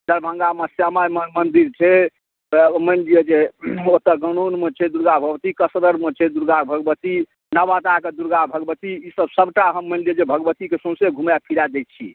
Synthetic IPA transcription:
d̪əɾbʱə̃ŋɡamesjamajmmənd̪iɾt͡ʃʰe | mənɖijəd͡ʒeot̪əɡənonmet͡ʃʰɛd̪uɾɡabʱəɡbət̪ikəsɾəɾmet͡ʃʰɛd̪uɾɡabʱəɡəbət̪i | nəbat̪aked̪uɾɡabʱəɡbət̪iisəbsəbʈaɦəmːənɖied͡ʒebʱəɡəbət̪ikesõseɡʱumjapʰiɾad̪et̪̚t͡ʃʰḭ

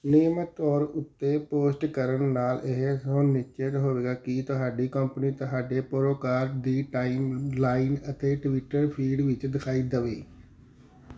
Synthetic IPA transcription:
nɪjəmət̪ːɔːɾʊt̪ːeːpoːsʈkəɾənnaːleɦsõːnɪt͡ʃeːt̪ɦoːʋeːɡaːkɪt̪ʊɦaːɖiːkəmpniːt̪ʊɦaːɖeːpoɾoːkaːɾd̪iːʈaːimlaːinət̪eːʈʋɪʈəɾpʰiːɖʋɪt͡ʃd̪ɪkʰaːiːd̪əʋeː

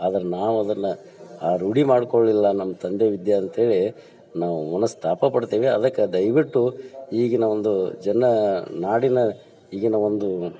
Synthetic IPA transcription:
aːd̪ɐɾenaːʋuɐd̪ɐnːɐ | aːɾuɽimaːɖkoɭːilːɐnɐmːɐt̪ɐnd̪eʋid̪jɐːnt̪ɦe̞ːɭi | naːʋumɐnɐst̪ʰaːpɐpɐɽt̪iːʋeɐd̪ɐkːed̪ɐjʋiʈːuiːɡinɐʋond̪ud͡ʒɛnːɐnaːɽinɐ | iːɡinɐʋond̪u

